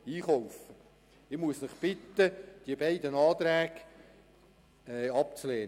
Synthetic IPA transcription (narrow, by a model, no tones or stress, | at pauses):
iːχɔʊfə | ɪmuəsnɪχb̥ɪt̪ːəd̥iəbæɪd̪ənɑːt̪ɾæːɡ̥ | ɛɑp̚t͡sleːn